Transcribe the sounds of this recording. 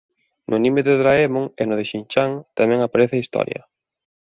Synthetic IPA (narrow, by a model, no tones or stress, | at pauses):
nʔʊnĩmɪðɪðɾaɛmoŋenʊðɪʃint͡ʃaŋt̪amɛ̃ŋapaɾeθɪaist̪ɔ̰ɾjɐ̰